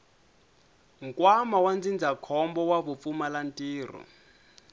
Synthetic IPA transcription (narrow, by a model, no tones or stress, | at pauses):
ŋ̩kʼwamawand͡zind͡zʱakʰɔmbɔwaβufumalantʼiːrɔ̰